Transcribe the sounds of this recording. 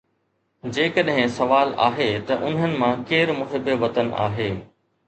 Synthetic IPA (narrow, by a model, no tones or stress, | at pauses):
d͡ʑeːkəɗɦɪ̃sɐʋaːla̰ːɦet̪ɐʔʊn̤ɦənɪ̆mãkeːɾmʊɦɪbəʋɐt̪əna̰ːɦeː